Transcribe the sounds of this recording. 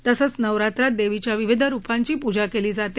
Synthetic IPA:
t̪əsət͡st͡snəʋɾat̪ɾat̪̚d̪eʋit͡ɕjaʋiʋid̪ʱaɾupaɲt͡ɕiːpud͡ʑakeliːd͡zat̪e

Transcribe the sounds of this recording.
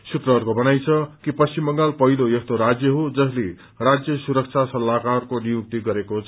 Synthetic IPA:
sut̪rʌɦʌɾkobʌnajt͡sʰʌkipʌst͡ɕimbʌŋɡalpʌɦilojʌst̪oɾad͡zjʌɦod͡zʌsle | rad͡zjʌsuɾʌk̚t͡sʰasʌlːakarkonijuk̚t̪iɡʌɾekot͡sʰ

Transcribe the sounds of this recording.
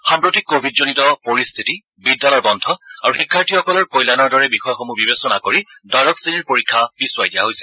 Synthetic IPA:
xampɹotikːobʱidzonitɔpoɹist̪ʰiti | bidːalɔjbɔndʱɔaɹuxikʰːaɹtʰiɔkɔlɔɹkojlanɔɹdɔɹɛbixɔjɔxomubibesɔnakoɹidajɹɔksiniɹpoɹikʰːabiswajdijaɦojsɛ̥

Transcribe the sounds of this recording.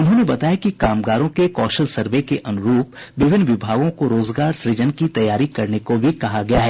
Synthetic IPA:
ʊnɦõːnebɐt̪aːjakikaːmɡaːɾõkekɔːʃəlsɐɾʋekeʔɐnʊɾuːpʋɪʋɪnːʋɪbʱaːɡõkoɾoːzɡaːɾsɾɪd͡ʒənkit̪ɐjːaːɾikɐɾnekobʱikɐɦaɡɐjaɦɛː

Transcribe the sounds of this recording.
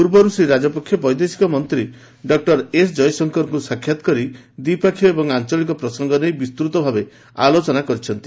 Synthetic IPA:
puɾbɔɾusiɾad͡ʒɔpɔkʰːjɔbɔjd̪esi̥kɔmɔnt̪ɾi | ɖɔk̚ʈɔɾesd͡ʒɔjsɔŋkɔɾkusakʰːjat̪ɔ̥kɔɾi | d̪ipakʰjɔebɔŋant͡ʃɔlikɔpɾɔsɔŋɡɔnejbist̪ɾut̪ɔbʱabe | a̰lot͡ʃɔnakɔɾit͡ʃʰɔnt̪i

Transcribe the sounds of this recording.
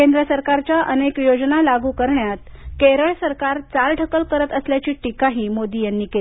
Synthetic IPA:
kend̪ɾəsəɾkaɾt͡ɕjaʔənekjod͡znalaɡuːkəɾɳjat̪̚keɾəɭsəɾkaɾt͡salʈəkəlkəɾət̪əsljat͡ɕiːʈikaɦiːmod̪iːjanːiːkel

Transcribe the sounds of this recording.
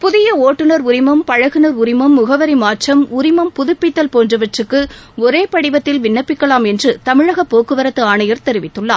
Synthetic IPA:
pʊðɪjɐoːʈːɯnɐɾʊɾɪmɐmpɐɻɐɣɯnɐɾʊɾɪmɐmːʊɣɐʋɐɾimaːʈt͡ʃɐmʊɾɪmɐmpʊðʊpːɪt̪ːɐlpoːndrɯʋɐʈrɯkːɯɔɾeːpɐɽɪʋɐt̪ːɪlʋɪnːɐpːɪkːɐɭaːmɛndrɯt̪ɐmɪɻɐɣɐpːoːkːɯʋɐɾɐt̪ːɯaːnɐjɐɾt̪ɛɾɪʋɪt̪ːɯɭːaː

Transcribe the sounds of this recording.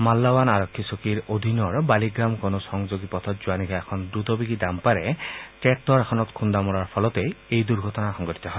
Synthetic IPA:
malːawanaɹɔkʰːisokiɹod̪ʱinɔɹbaliɡɹamkonɔsɔŋd͡ʒoɡipɔt̪ʰɔtzuwanikʰaɛkʰɔndɹut̪ɔbikidampaɹɛʈɛk̚tɔɹɛxʰɔnɔt̪kʰund̪amɔɹaɹpʰɔlɔt̪eejd̪uɹɡʱɔtɔnaxɔŋɡɔti̥t̪ɔɦɔe

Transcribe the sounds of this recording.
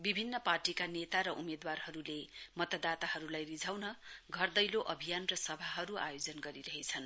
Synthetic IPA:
bibʱinːʌparʈikanet̪aɾʌʔumed̪warɦʌɾulemʌt̪ʌd̪at̪aɦʌɾulajrid͡zʱawnʌɡʱʌrd̪ʌjloʔʌbʱijanrʌsʌbʱaɦʌɾua̰jod͡zʌnɡʌɾiɾʌɦet͡sʰʌn

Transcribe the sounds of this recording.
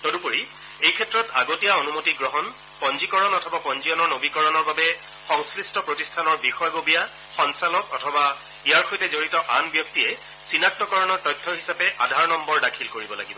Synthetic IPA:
todupoɹi | ejkʰɛtːɹɔtaɡotijaonumotiɡɹɔɦɔn | pɔnzikɔɹɔnɔtʰɔbapɔnzijɔnɔɹnobikɔɹɔnɔɹbabɛ | xɔŋskɹistʰɔpɹotistʰanɔɹbixɔjɡobija | xɔnsalɔkɔtʰɔba | ijaɹxojtɛzoɹitɔʔanbjɔk̚tijɛ | sinak̚tːɔkɔɹɔnɔɹtɔjtʰːɔɹɦisapɛʔadʱaɹnɔmbɔɹdakʰilkoɹibɔla̰ɡibɔ

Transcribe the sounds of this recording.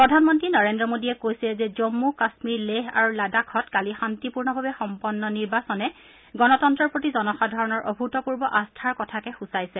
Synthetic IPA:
pɹɔdʱanmɔntɹinɔɹendɹɔmodiɛkojsilɛzɛzɔmːukasmiɹleɦa̰ɹuladakʰɔtkalixantipuɹnɔbʱabɛxɔmpɔnːɔniɹbasɔnɛ | ɡɔnɔtɔntɹɔɹpɹotizɔnɔxadʱɔɹɔnɔɹʔobʱutɔpuɹbɔʔastʰaɹkɔtʰakɛxusajsɛ

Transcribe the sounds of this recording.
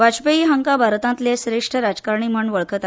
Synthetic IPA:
ʋad͡ʑpəiɦəŋkabʱaɾt̪ãnt̪lesɾeʂʈʰəɾad͡zkaɾɳiːm̤əɳʋəɭkʰət̪a

